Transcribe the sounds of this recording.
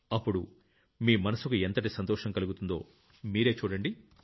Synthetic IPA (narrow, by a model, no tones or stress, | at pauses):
ɐpːuɽu | miːmɐnɐsukuent̪ɐʈisɐnt̪ɔːʂɐŋkɐluɡut̪und̪o̞̰ː | miːɾe̞ːt͡ʃuːɽɐɳɖi